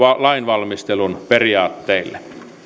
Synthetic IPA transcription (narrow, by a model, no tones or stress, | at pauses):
ɑlɑinʋɑlmist̪elunperiɑːt̪ːeilːe